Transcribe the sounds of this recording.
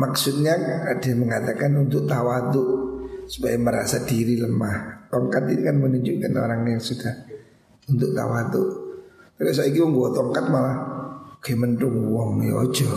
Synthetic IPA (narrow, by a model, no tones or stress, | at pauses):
maksut̪̚ɲaadaməŋat̪akanunt̪ʊk̚t̪awat̪ʊʔsu̥pajaməɾa̰sadiɾiləmaht̪ɔŋkat̪inikanmənuɲd͡ʒukano̰ɾaŋjaŋsudah | unt̪ʊk̚t̪a̰wat̪ʊkakas̬aikiwɔŋɡuat̪ɔŋkat̪̚mamaukɛmənt̪ʊŋwɔŋj̰o̰d͡ʒɔ